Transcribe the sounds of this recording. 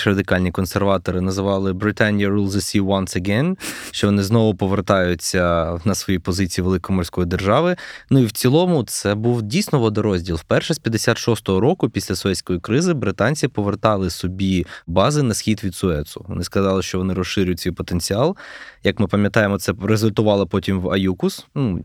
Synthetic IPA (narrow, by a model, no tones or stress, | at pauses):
rɐd̪ɪkɑlʲnʲikɔnserʋɑt̪ɔɾɪnɐzɪʋɑlˠɪbɾɪt̪anʲjɐɾulˠzɐsʲiwɐnsɐɡɛnʃt͡ʃɔʋɔnɪznɔʋʊpɔʋert̪ɑjʊt͡sʲːɐnɐsʋɔjipɔzɪt͡sʲijːʋelˠɪkɔmɔrʲsʲkɔjid̪erʒɑʋɪnuiwt͡sʲilˠɔmʊt̪sɛbuwdʲijsʲnɔʋɔd̪ɐɾɔzʲdʲilˠwpɛrʃɛsʲpʲjɐd̪esʲat̪ʃɔst̪ɔɦɔɾɔkʊpʲisʲlʲɐsʊɛtʲsʲkɔjikɾɪzɪbɾɪt̪ɑnʲt͡sʲipɔʋert̪ɑlˠɪsɔbʲibɑzɪnɐsxʲid̪ʋʲid̪sʊɛt̪sʊʋɔ̰nɪskɐzɑlˠɪʃt͡ʃɔʋɔnɪɾɔsːɪɾʲʊjʊtʲsʲijpɔt̪enʲt͡sʲiɑlˠjɐkmɪpɐmʲjɐt̪ɑjemɔt̪sɛrezʊlʲt̪ʊʋɑlˠɔpɔtʲimʋɐjukʊsnu